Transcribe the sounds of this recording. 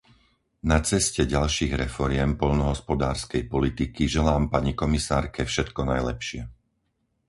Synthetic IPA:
nat͡sɛscɛɟalʃiːɣɾɛfɔɾɪɛmpɔʎnɔɦɔspɔd̪aːɾskɛjpɔlit̪ikiʒɛlaːmpaɲikɔmisaːɾkɛfʃɛt̪kɔnajlɛpʃɪɛ

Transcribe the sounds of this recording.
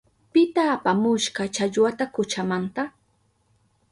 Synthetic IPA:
pɪt̪aːpamʊʃɢɑt͡ʃaʎwat̪akʊt͡ʃamant̪a

